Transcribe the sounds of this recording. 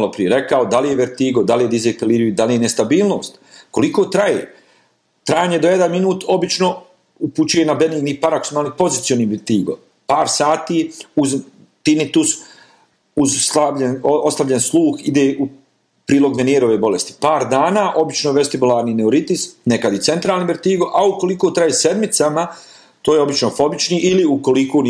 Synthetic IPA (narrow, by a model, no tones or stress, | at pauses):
lopɾijeɾe̞kaod̪alijeʋeɾt̪iːɡo̞d̪alijed̪izekeliːɾiid̪alijene̞st̪abiːlˠno̞ːst̪ko̞likoːt̪ɾajḛː | t̪ɾajaːɲe̞d̪o̞jed̪anminuːt̪ʰo̞bit͡ʃno̞ | uput͡ʃuje̞nabeniɡnipaɾaksomalnipo̞zit̪sioniːʋeɾt̪iːɡo̰ | paːɾsaːt̪iːuz | t̪init̪us | uzaenoslˠaʎenslˠuːxid̪eːʔu | pɾiːlo̞ɡmenjeɾo̞ʋeːbo̞lest̪i̥paːɾd̪aːnaːʔo̞bit͡ʃnoʋest̪ibulˠaːɾnineoɾit̪isnekad̪jit̪se̞nt̪ɾaːlniʋeɾt̪iːɡo̞ʔauko̞likoːt̪ɾaːjese̞d̪mit̪sama | t̪oːjeo̞bit͡ʃnofo̞bit͡ʃniːʔiliuko̞likon